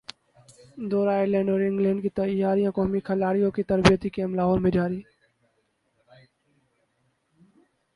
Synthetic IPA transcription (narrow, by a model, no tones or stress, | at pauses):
d̪oːɾaːɪlẽːɳɖoːɾɪ̃ŋɡlẽːɳɖkʰiːt̪əjaːɾijãːkoːmiːkʰəlaːɽijõːkʰiːt̪əɾbijət̪iːkeːmlaːɦoːlmẽd͡ʒaːɾiː